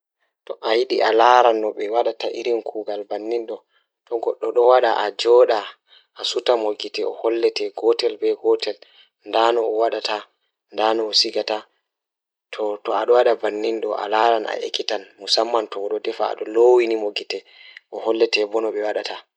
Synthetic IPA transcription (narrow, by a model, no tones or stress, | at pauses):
tɔʔajiɗiʔalaɾanːɔɓɛwaɗataʔiɾinkʰuːɡalbanːinɗɔ | tɔɡɔɗːɔɗɔwaɗa̰ʔad͡ʒɔɗa | ʔːsutamoɡitɛɔhɔlːɛtɛɡɔtɛlbɛɡɔtɛl | ndanɔːwaɗata | ndanɔːsiɡata | tʰɔtɔaɗɔwaɗabanːinɗɔʔa̰laɾanʔa̰ʔḛkːitanmusamːantɔwɔɗɔdɛfa̰a̰ɗɔlowinimoɡitɛ | ʔɔhɔlːɛtɛbɔnɔɓɛwaɗatʰa